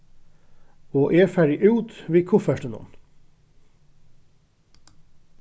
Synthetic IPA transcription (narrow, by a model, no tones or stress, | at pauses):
oːʔeːfæɖɪʔʉːt̪ʋeːkʰʊfæʃʈənʊ̰n